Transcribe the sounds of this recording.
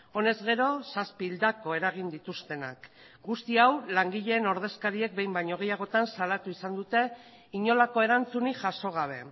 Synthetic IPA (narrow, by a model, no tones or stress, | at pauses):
o̞ne̞zɣe̞ɾo̞saspiːld̪ako̞e̞ɾaɣ̞ind̪it̪ust̪e̞na̰k | ɡust̪iawlaŋɡiʎe̞ːno̞ɾð̞e̞skaɾie̞k̚be̞jmbajɲo̞ɣe̞jaɣ̞o̞t̪ansalat̪uisand̪ut̪e̞ | iɲo̞lako̞e̞ɾant͡suniʝaʃo̞ɣ̞aβ̞e̞